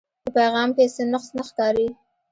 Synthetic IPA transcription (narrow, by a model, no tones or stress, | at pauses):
d̪əpajɣɑmpesenaqsnaxkɑɾi